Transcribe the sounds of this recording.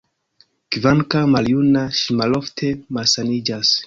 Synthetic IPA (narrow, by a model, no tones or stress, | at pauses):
kivaŋkamaljunaʃimalo̞ftʰemalsanid͡ʒas